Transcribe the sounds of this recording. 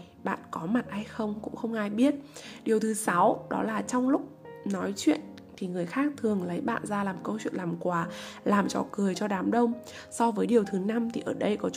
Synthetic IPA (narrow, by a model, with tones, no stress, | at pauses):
ɓa̰ː˧˨nkɔ˨˦ma˨˩t̚ʔha˧jxə˧wŋ͡mkʊ̰˧˥ŋ͡mxə˧wŋ͡mʔaː˧jɓi˦˥ət̚ɗi˨˩əwt̪ʰɨ˨˦sa˨˦wɗɔ̰˨˦laː˨˩t͡ɕɔ˧wŋ͡mlʊ˦˥k͡p̚nɔ˨˦jt͡ɕwḭ˧˨ən | t̪ʰi˨˩ŋɨ˨˩əjxaː˦˥k̚t̪ʰɨ˨˩əŋlə˨˦jɓa̰ː˧˨nzaː˧laː˨˩mkə˧wt͡ɕwḭ˧˨ənlaː˨˩mkwaː˨˩laː˨˩mt͡ɕɔ̰˧˩kɨ˨˩əjt͡ɕɔ˧ɗaː˨˦mɗə˧wŋ͡m | sɔ˧vəː˨˦jɗi˨˩əwt̪ʰɨ˨˦na˧mt̪ʰi˨˩ʔəː˧˩ɗə˧jkɔ˨˦t͡ɕ